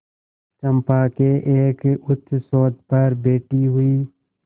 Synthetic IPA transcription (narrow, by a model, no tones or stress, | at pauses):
t͡ʃɐ̃mpaːkeʔeːkʊt̪ʰːsoːt̪̚pɐɾbeːʈiɦuiː